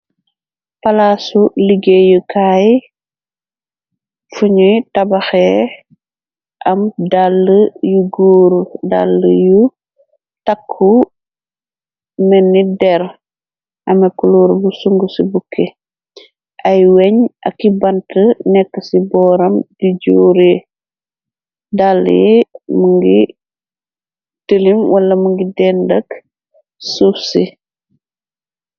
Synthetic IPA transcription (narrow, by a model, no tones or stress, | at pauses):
pɐlasuliɡejukaj | fuɲutɐbaxɛ | ʔɐmdalːəjuɡoːɾuda̰lːəju | takʰːu | mɛnːidɛɾ | ɐmekuluːɾbusuŋɡusibukʰːe | ʔɐjweɲɐ̰kːibɐntənɛkːɐsibɔːɾɐmdiɟuːɾe | dal̰ːjmuŋɡi | təlimwɐlːɐmuŋɡidɛndɐk | sufsi